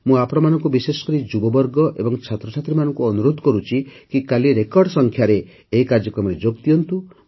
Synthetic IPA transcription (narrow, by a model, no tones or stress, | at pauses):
mũapɔɽ̃ɔmanɔŋkubisesɔ̥kɔɾid͡ʒubɔbɔɾɡɔʔebɔŋt͡ʃʰat̪ɾɔt͡ʃʰat̪ɾimanɔŋkuɔnuɾod̪kɔɾut͡ʃʰikikaliɾekɔɾɖsɔŋkʰjaɾeː | ikaɾd͡ʒɔkɾɔmɔɾed͡ʒoɡt̪iɔnt̪u